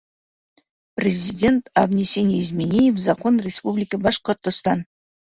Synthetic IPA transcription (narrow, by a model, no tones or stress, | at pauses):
prʲezʲidʲe̞nt̪avnʲesʲenezmenʲejefzɑkʰo̞nrʲespublʲikəbɑʃqərt̪ə̆st̪ɑn